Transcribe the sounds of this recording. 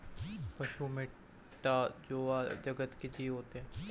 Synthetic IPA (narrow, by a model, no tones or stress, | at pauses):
pɐʃumẽ | ʈad͡ʒoːad͡ʒɐɡət̪ked̪iɦoːt̪eɦɛ̃ː